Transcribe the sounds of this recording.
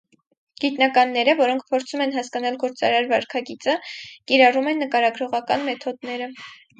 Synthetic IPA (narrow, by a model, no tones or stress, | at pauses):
ɡ̥it̪nɑkɑnːɛɾəvɔɾɔŋkʰpʰɔɾt͡sʰumɛnɦɑskɑnɑlɡɔɾt͡sɑ̰ɾɑɾvɑɾkʰɑɡit͡səkiɾɑrumɛnːəkɑɾɑɡɾɔʁɑkɑnmɛt̪ʰɔd̪nɛɾə